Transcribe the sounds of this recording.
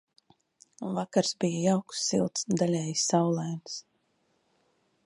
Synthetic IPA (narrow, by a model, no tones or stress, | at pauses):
vakaɾsbijəjawksːḭlˠt̪sd̪alʲɛjsːawlˠajns